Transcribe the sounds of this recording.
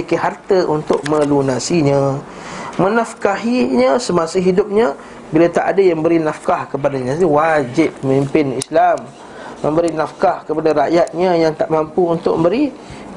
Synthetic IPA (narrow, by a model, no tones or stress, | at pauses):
keɦart̪əʔunt̪ʊk̚mə̃lunasiɲə̃ | mə̃nafkaɦiɲəsəmãsəɦidʊp̚ɲə | bilat̪aʔadajaməbəɾinafkahkəp̬adaɲãwad͡ʒɪp̚ːəmimpɪnḭslam | mə̃mbəɾinafkahkəpadaɾaʔjat̪̚ɲəjaŋt̪aʔmampuunt̪ʊʔ̚ə̃mbəɾi